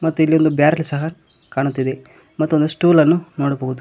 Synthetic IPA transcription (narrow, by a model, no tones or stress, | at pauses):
mɐt̪ːuilːio̞nd̪ubjaːɾlisɐɦɐ | kaːɳut̪ːid̪e̞ | mɐt̪ːuond̪usʈuːlɐnːunoːɽuboɡud̪u